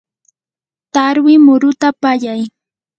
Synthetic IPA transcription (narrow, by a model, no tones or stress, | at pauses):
t̪aɾwɪmʊɾʊt̪apaʎaj